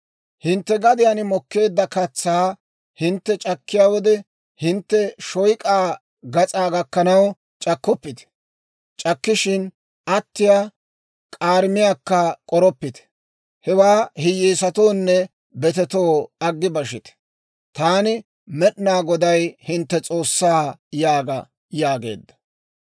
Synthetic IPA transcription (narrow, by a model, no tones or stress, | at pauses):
hɪnt̪ːɛɡɐd̪ɪjanɪmɔkːe̞ːd̪ːɐkɐt͡sːaː | hɪnt̪ːɛt͡ʃʼɐkːɪjaːwɔd̪ɛ | hɪnt̪ːɛʃɔjkʼaː | ɡɐt͡sʼaːɡɐkːɐnɐw | t͡ʃʼɐkːɔpːɪt̪ɛ̥ | t͡ʃʼɐkːɪʃɪn | ɐt̪ːɪja | kʼaːɾmɪjaːkːɐkʼɔɾɔpːɪt̪ɛ̥ | hɛwaːhɪjeːsɐt̪o̞ːnːɛ | bɛt̪ɛt̪oːɐɡːɪbɐʃɪt̪ɛ̥ | t̪aːnɪ | mɛɗnaːɡɔd̪ɐjhɪnt̪ːɛt͡sʼo̞ːsːaːjaːɡɐ | jaːɡe̞̰ːd̪ːɐ̥